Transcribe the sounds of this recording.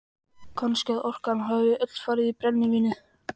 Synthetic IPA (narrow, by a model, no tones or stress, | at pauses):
kʰɔnscɛðɔr̥kanɦœːvʏʔʏt̪l̥faːɾɪðipɾɛnːiŋcɪnʏ